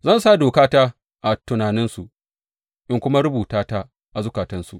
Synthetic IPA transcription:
zɐ˦nsa˦doː˨kaː˦taː˦ | ʔa˨tʊ˨naː˨nɪ˦nsu˨ | ʔɪ˦ŋkʷʊ˦ma˦ɾʊ˦buː˨taː˦taː˦ | ʔa˨zʊ˦kaː˨tɐ˦nsṵ˨ʔ

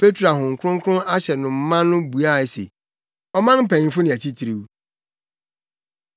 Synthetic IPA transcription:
pʰe˦tʰɾa˨ɦʊ̃˨ŋ̩˨kʰʊ˦ʊ̃˦ŋ̩˦kʰʊ˦ʊ̃˦na˦ɕɛ˨nʊ̃˨m̩˦mã˦nː˦ʊ̃˦bu˨a˦˨ɛ˨sḛ˨ | ɔ˦mã˦nm̩˦pʰɛ̃˨ɲ˨˦fʊ˦nɪ̃˨æ˨tʰi˦tʰi˨ɾi˨u˦

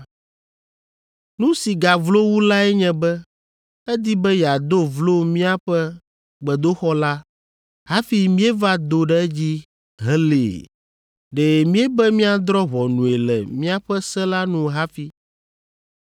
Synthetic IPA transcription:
nũ˦si˨ɡa˨vlo˦wu˦la˦ɛ˦ɲɛ̃˨bɛ˦ | ɛ˦d̪i˦bɛ˦ja˨d̪o˦vlo˦mĩ˦a˦ɸɛ˦ | ɡ͡bɛ˨d̪o˦xɔ˦la˦ | ɦa˦fi˨mĩ˦e˦va˦d̪o˦ɖɛ˦d͡ʑi˦ | ɦɛ˦lḛ˨ | ɖe˨mĩ˦e˦bɛ˦mĩ˦a˨d̪ɾɔ˦βɔ˨nũ˨e˨lɛ̰˨mĩ˦a˦ɸɛ˦sɛ˦la˦nũ˦ɦa˦fi˨

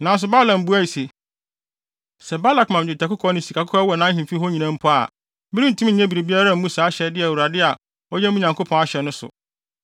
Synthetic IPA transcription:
nã˨n˦s̬ʊ˨ba˦lã˨m˨bu˦a˦˨i˨se˨ | sɛ˨ba˦la˨kmã˨m˨d͡ʑɪ˨tʰa˨kʊ˦kʰɔ˦nɪ̃˨si˨kʰa˨kʰʊ˦ɔ˦wɔ˨nã˨˦ɦĩ˨fi˦ɦɔ˦ɲĩ˨nã˦m̩˦pʰʊ˦a̰˨ | mɪ˦ɾĩ˦n̩˨tʰũ˦m̩˦˨˦ɲɛ̃˦bi˨e˨bi˦a˦ɾa˦˨m̩˦mũ˦saː˨˦ɕɛ˨dɪ˦ɛ˨wu˨ɾa˨dɪ˦a˨ | ɔ˦jɛ˦mũ˦ɲã˨ŋkʰo˦pʰɔ̃˨˦a˦ɕɛ˨nʊ̃˦sʊ̰˨

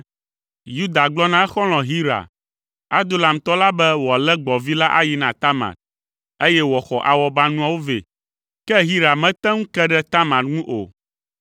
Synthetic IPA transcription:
ju˦d̪a˨ɡ͡blɔ˦nã˦ɛ˦xɔ˦l̃ɔ̃˨ɦi˦ɾa̰˨ | a˦d̪o˦la˨m̩˨t̪ɔ˦la˦bɛ˦wɔ˨a˨lɛ˦ɡ͡bɔ˨vi˦la˦ʔa˦ji˦nã˨t̪a˦ma̰˨t̚ | e˦jɛ˦wɔ˨xɔ˨ʔa˨wɔ˦ba˦nũ˦a˦wo˦vḛ˨ | kɛ˦ɦi˦ɾa˨mɛ̃˦t̪ɛ̃˦ŋũ˦kɛ˦ɖɛ˦t̪a˦mã˨t̪ŋũ˦ʔo̰˨

